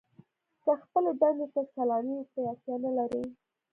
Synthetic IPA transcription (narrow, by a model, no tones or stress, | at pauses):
kaxpəloɖand̪et̪akalɑnikajɑt̪janalaɾi